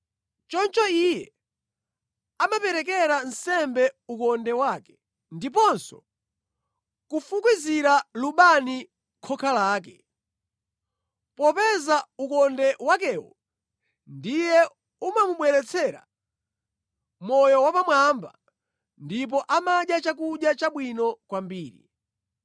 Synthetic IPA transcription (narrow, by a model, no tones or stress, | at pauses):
t͡ʃɔnt͡ʃɔijɛ | amapɛɾɛk̬ɛɾansɛmbɛukɔndɛwaːkɛ̥ | ndip̬ɔnsɔ̰ | kufukwiziɾaluɓani | kʰɔkʰalaːk̬ɛ | pɔpɛzaukɔndɛwak̬ɛwɔ̰ | ndijɛ | umamuɓwɛɾɛt͡sʰɛɾa̰ | mɔjɔwapamwamba̰ | ndip̬ɔʔamaɗjat͡ʃakuɗjat͡ʃaɓwinɔkwambiːɾḭ